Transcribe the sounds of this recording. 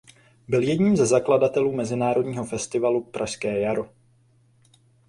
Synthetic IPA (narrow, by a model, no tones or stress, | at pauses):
bɪljɛdɲiːmzɛzakladat̪ɛluːmɛzɪnaːɾo̞dɲiːɦo̞fɛst̪ɪvalupɾʔaʃskɛːjaɾo